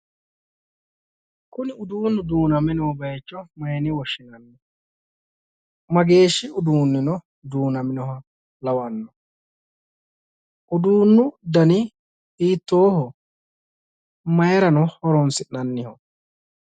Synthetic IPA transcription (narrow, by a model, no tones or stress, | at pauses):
kʊnɪʊd̪uːnːʊd̪uːnɐmɪnɔhɔbɐjt͡ʃːɔmɐjɛnɪwɔʃːɪnɐnːɔ | mɐɡe̞ːʃːɪʊd̪uːnːɪnɔ | d̪uːnɐmɪnɔɦɐ | lɐwɐnːɔ | ʔʊd̪uːnːʊd̪ɐnɪ | iːt̪ːoːhɔ | mɐjɛɾɐnɔhɔɾɔnsɪnnɐnːɪhɔ